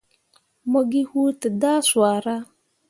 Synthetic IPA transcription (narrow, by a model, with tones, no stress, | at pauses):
mo˦ɡi˦hu˦tə˨da˦swaː˨ɾa˦